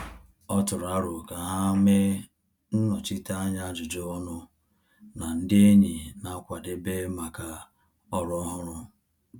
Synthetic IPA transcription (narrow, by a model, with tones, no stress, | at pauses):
ɔ˦tʊ˨ɾa˦ɾʊ˨ka˨ɦa˦me˦ | n̩˦nɔ˨t͡ʃi˦ta˦a˦ɲa˦d͡ʒʊ˨d͡ʒo˦ɔ˦nʊ˦ | na˨n̩˦dɪ˦e˦ɲi˨na˨˦kʷa˨dɪ˦be˦ma˨ka˨ | ɔ˨ɾɔ˦ɦʊ˦ɾʊ˦